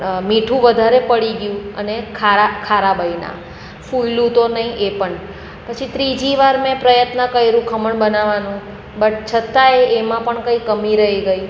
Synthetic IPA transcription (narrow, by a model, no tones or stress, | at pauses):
miʈʰũʋəd̪ʱaɾepəɽiɡjũənekʰaakʰaɾabəina̰ | fujlũt̪onəɦĩʔepəɳ | pət͡ʃʰit̪ɾid͡ʒiʋaɾmɛ̃pɾəjət̪nəkəjɾũkʰəməɳbənaʋanũ | bəʈt͡ʃʰət̪aeemãpəɳkəikəmiɾəɦiɡəj